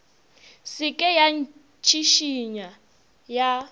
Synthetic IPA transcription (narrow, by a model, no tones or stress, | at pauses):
sɪkʼɛjan | t͡ʃʰiʃiɲa | ja